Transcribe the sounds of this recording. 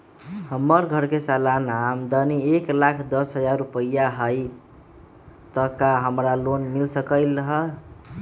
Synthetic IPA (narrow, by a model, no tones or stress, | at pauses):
həmːəɾɡʱəɾkesalanamd̪ənieklakʰd̪əsɦəd͡ʒaɾːupəjaɦəj | t̪əkaɦəmɾalonmilsəkəɪləɦə